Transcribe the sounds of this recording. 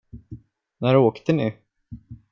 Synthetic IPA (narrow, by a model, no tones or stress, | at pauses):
næɾoːkt̪ənɪ